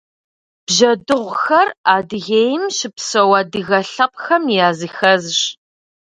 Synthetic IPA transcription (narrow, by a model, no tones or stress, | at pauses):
b̥ʒɐdɨʁʷʊxɐraːdɨɣeːjɪmɕɪpsɐwɐdɨɣɐɬɐp̚xɐmjaːzɨxɐzɕ